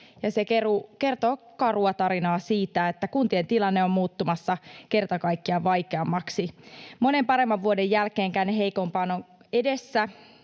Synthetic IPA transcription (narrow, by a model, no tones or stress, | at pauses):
jɑsekerukert̪oː | kɑruɑt̪ɑɾinɑːsiːt̪æet̪ːækunt̪ient̪ilɑnːeommuːt̪ːumɑsːɑke̞rt̪ɑkɑikːiɑʋɑjkeɑmːɑksimone̞mpɑɾe̞mːɑʋʋuodejjælkeːŋkæneɦeikompɑːnon | edesːæ